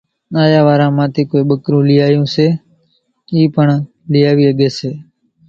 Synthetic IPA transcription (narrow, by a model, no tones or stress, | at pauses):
naːjaːʋaːɾãːmãːt̪eːkoːeːɓəkɾũːlɪjaːjõːseː | iːpəɳ | lɪjaːʋiːəɠeːseː